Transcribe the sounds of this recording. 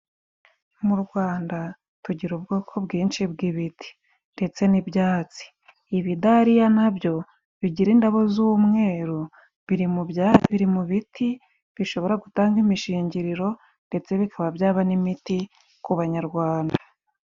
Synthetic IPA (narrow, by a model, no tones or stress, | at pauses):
muɾɡwaːnda | tuɟiɾubɡokʰo̞bɡiːnʃibɡiβiti̥ | nde̞t͡se̞nibjaːt͡si̥ | iβidaɾijanabjo̞ | βiɟiɾiːndaβo̞zuwumŋe̞ːɾu | βiɾimuβiɾimuβiti | βiʃo̞βo̞ɾaɡutaːŋɡimiʃiːɲɟiɾiɾo̞ | nde̞t͡se̞βikʰaβabjaːβanimiti | kuβaɲaɾɡwaːnda